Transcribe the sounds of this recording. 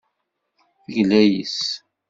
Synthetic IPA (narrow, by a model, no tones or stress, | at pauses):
θəʝlæjəs